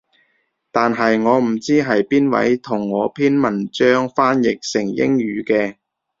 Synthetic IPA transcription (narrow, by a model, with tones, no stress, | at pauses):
t̪aː˨nɦɐ˨jŋɔː˨˧m̩˨˩t͡siː˥ɦɐ˨jpiː˥nwɐ̰˨˥jt̪ʰʊ˨˩ŋːɔː˨˧pʰiː˥nmɐ˨˩nt͡ʃœː˥ŋfaː˥njɪ˨k̚sɪ˨˩ŋjɪ̰˥ŋjyː˨˧kɛː˧